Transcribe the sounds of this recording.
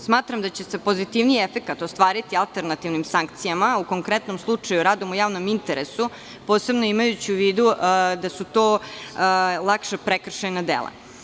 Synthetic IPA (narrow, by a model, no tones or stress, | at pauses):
smaːt̪ɾamd̪at͡ɕe̞se̞po̞zit̪iʋniefe̞kat̪o̞st̪ʋaːɾit̪ialˠt̪eɾnat̪iʋnimsaŋkt̪sijamauko̞ŋkɾe̞t̪no̞mslˠut͡ʂajuɾaːd̪omujaːʋnomint̪eɾesu | po̞ːse̞bnoimajut͡ɕiuʋiːd̪ud̪asut̪oː | lˠakʃepɾekr̩ʃenad̪ḛlˠḛ